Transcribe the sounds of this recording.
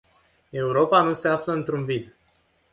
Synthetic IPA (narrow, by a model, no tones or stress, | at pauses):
e̞uɾo̞panuse̞afləɨnt̪ɾunvid̪